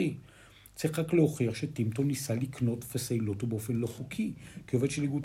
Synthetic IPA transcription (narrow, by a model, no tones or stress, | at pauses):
i | t͡siχʁaklehoχiaχʃetimtonisalikno̞tvesalo̞tobeofenlo̞χukʰikeovedʃeliɡu